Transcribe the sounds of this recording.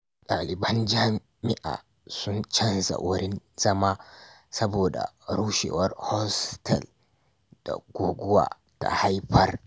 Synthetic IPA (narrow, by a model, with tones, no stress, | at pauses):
ɗaː˨lɪ˨bɐ˦nd͡ʒaː˦ | mɪ˦ʔa̰ː˨ | sʊ˦nt͡ʃɐ˦nza̰˨wʔʊ˦ɾɪ˦n | z̥ɐ˦maː˦ | sɐ˦boː˨da̰˨ɾuː˦ʃḛː˨wɐ˦rhɔ˦stʰɐ˨l | d̥a̰˨ɡʷoː˨ɡʷʊ˦wa̰ː˨ | ta̰˨ha˦jɸɐ˦r